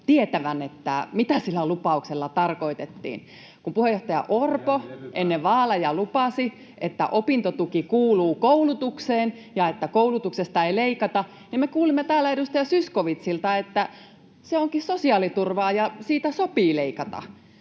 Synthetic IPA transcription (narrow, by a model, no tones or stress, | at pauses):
t̪iet̪æʋænet̪ːæ̰mit̪æsilːælupɑukselːɑt̪ɑrkoit̪et̪ːḭːn | kumpuhejoht̪ɑjɑ̰ʔorpoʔenːeʋɑːlɑjɑlupɑsi | ʔet̪ːæ̰ʔopint̪ot̪ukikuːluːkoulut̪ukseːn | jɑet̪ːækoulut̪uksest̪ɑeileikɑt̪ɑ | nimmekuːlimːet̪æːlːæedust̪ɑjɑsyskoʋit̪silt̪ɑet̪ːæ | seoŋkisosiɑːlit̪urʋɑːjɑsiːt̪æsopiːleikɑt̪ɑ̰